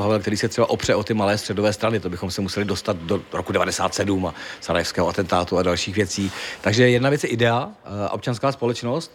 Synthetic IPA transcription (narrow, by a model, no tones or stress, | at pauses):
ɦavɛlkt̪ɛɾiːsɛt̪r̥ɛbaʔo̞pr̝̥ɛʔo̞t̪ɪmalɛːst̪r̥ɛdo̞vɛːst̪ɾanɪt̪obɪxo̞msɛmusɛlɪdo̞st̪at̪doɾokudɛvadɛsa̰ːt̪sɛdumasaɾajɛfskɛːɦoat̪ɛnt̪aːt̪uadalʃiːxvjɛt͡siːt̪aɡʒɛjɛdnavjɛt͡sjɛʔɪdɛaʔo̞̰p̚t͡ʃanskaːspo̞lɛt͡ʃno̞st̪